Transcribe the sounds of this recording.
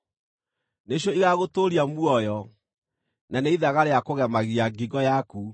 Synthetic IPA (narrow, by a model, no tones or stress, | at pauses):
neɕ̬jɔiɣaɣotoɾiamuɔjɔ | naneiðaɣaɾeakoɣɛmaɣiaɡiɡɔjaku